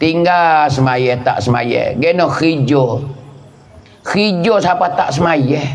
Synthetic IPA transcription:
t̪iŋɡasəmajɛht̪a̰ʔsəma̰jɛ̰ɡɛnɔkid͡ʒo | kid͡ʒosapat̪aʔsəmajɛh

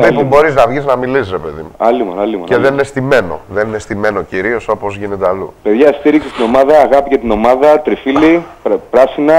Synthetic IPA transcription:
pepumbo̞ɾiznɐvʝiznɐmilisɾe̞pe̞ðimuɐlimonɐlimo̰ce̞ðeninest̪ime̞no̞̰ðe̞ninest̪ime̞no̞ciɾio̞so̞po̞zʝine̞t̪eɐlṵpe̞ðʝɐst̪iɾiksest̪ino̞mɐðɐːɣɐpicet̪ino̞mɐðɐt̪ɾifilipɾɐsinɐ

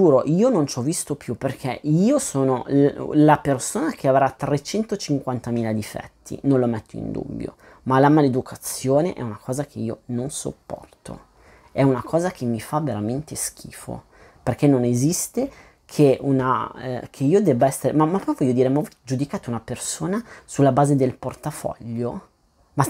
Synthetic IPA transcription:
d͡ʒuːɾoʔiːonont͡ʃɔvːist̪opjuperkʰeiːosoːnolapersoːnakʰeavɾat̪ɾet͡ʃɛnt̪ot͡ʃiŋkwant̪amiːlad̪ifɛ̰t̪ʰːḭnõnlːomɛt̪ʰːoḭnd̪ṵbːjo̰ | malamaled̪ukʰat̪sːjoːneʔɛ̰unakʰɔːzak̟ʰeiːononso̰pːɔ̰rt̪ʰo̰ | ɛunakʰɔːzak̟ʰemːifaveɾament̪esk̟ḭːfo̰ | perkenːonezist̪e | kʰeʔuna̰kʰeiːod̪ɛbːaɛsːeɾemamːapːɔjvɔʎːod̪iːɾemaɔd͡ʒud̪ikaːt̪ounapersoːnasulːabaːzed̪elport̪afɔ̰ʎːo | ma

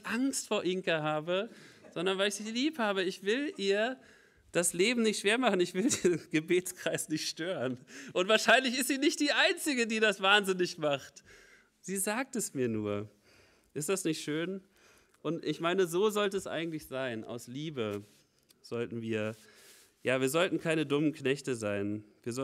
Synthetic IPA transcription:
ʔaŋstfoːɐʔɪŋkaɦaːbəz̥ɔndɐnvaɪlɪçz̥ɪçliːphaːbəɪçv̥ɪlʔiːɐ | d̥asleːbm̩nɪçtʃv̥eːɐmaχn̩ɪçv̥ɪldenɡ̥əbeːt͡skʁ̥aɪsnɪçtʃtøːʁənʔʊntv̥aːɐʃaɪnlɪçɪstz̥iːnɪçt̚d̥iːʔaɪnt͡sɪɡədiːdasv̥aːnzɪnɪçmaχt | z̥iːzaːk̚tɛsmiːɐnuːɐ | ʔɪstd̥asnɪçtʃøːn | ʔʊntʔɪçmaɪnəzoːzɔltəɛsʔa̰ɪɡŋ̩tlɪçz̥aɪnʔa̰ʊsliːbə | z̥ɔltn̩viːɐ | jaːviːɐzɔltn̩kʰaɪnədʊmənknɛçtəzaɪnviːɐzɔ

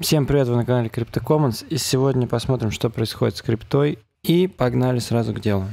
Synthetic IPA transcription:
fsʲe̞mpɾʲɪvet̪vənəkɐnalʲɪkɾʲɪp̚t̪əkomənsisʲɪvo̞dʲnʲəpɐsmo̞t̪ɾʲɪmʂt̪o̞pɾəɪtsxo̞dʲɪt̪skɾʲɪpt̪o̞j | ipɐɡnalʲɪsɾazʊɡdʲe̞lˠʊ

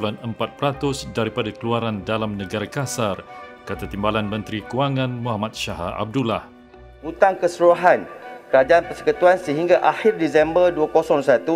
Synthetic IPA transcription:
ulanəmpat̪̚pəɾat̪ʊsdaɾipadakəluaɾandalamnə̃ɡaɾakasarkat̪at̪imbalanmə̃nt̪ɾikuaŋãnmũhamat̪̚ʃaɦa̰ʔa̰b̚dulah | ut̪aŋkəsəɾuɦankəɾad͡ʒaanpərsə̥kət̪uansəɦiŋɡaʔahɪrdisɛmbərduakosɔŋsat̪u

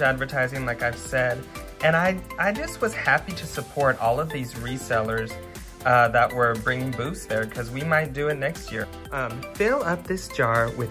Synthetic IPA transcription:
ædvə˞tʰaɪzɪ̃ŋlaɪkaɪv̥sɛd | ɨ̃ñaɪʔaɪd͡ʒʌst̚wʌz̥hæpiɾɨsəpʰɔɹɾɔlˠʌvðizɹisɛlˠə˞z̥ | ʌðəʔwə˞bɹɪ̃ŋɪ̃ŋbusðə˞kʰʌzwimaɪt̚d̥ɨɪtⁿnɛkst̚jɪ̰ɹ | ʌ̃mfɪlˠʌp̚ðɪsd̥ʒ̥ɑɹwɪ

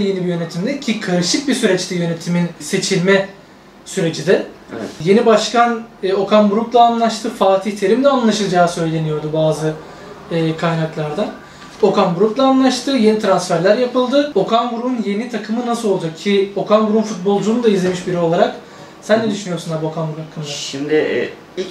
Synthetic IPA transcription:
je̞nibijø̞ne̞t̪ʰimd̪ɛcʰikʰaɾɯʃɯk̚bisyɾɛt͡ʃt̪ɛjø̞ne̞t̪ʰiminse̞t͡ʃʰilʲmɛ | syɾe̞d͡ʒid̪ɛ̰je̞nibaʃkanːo̞kʰanbuɾuklˠaːnlˠaʃt̪ʰɯfaːt̪ʰiht̪ʰe̞ɾimd̪ɛanlˠaʃɯlˠd͡ʒaːsø̞jlʲe̞nijo̞ɾd̪ubaːzɯː | kʰajnaklˠaɾd̪an | o̞kanbuɾuklˠaːnlˠaʃt̪ʰɯje̞nit̪ʰɾansfæɾlʲæɾjapɯlˠd̪ɯo̞kʰanɡɾuunje̞nit̪ʰakʰɯmɯnasɯlˠo̞lˠd͡ʒakcʰio̞kʰanɡɾuunfut̪̚bo̞lˠd͡ʒuːnd̪aizlʲe̞miʃbiɾio̞lˠaɾak | sænd̪ʲɛd̪yʃynyjo̞ɾsnabo̞kʰanɡuɾuakʰːɯnd̪aʃimd̪ɪ

